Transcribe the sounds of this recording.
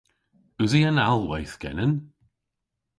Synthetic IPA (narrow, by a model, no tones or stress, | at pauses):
ʉziənalˠwɛjθɡ̥ɛ̰nən